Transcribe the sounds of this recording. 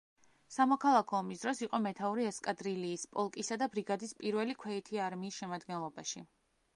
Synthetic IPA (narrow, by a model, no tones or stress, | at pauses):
samɔkʰalˠakʰɔːmisd̪ɾɔsiqʼɔmɛt̪ʰauɾiɛskʼad̪ɾiliːspʼɔlˠkʼisad̪abɾiɡad̪ispʼiɾvɛlikʰwɛit̪ʰiaɾmiːsʃɛmad̪ɡɛnlˠɔbaʃi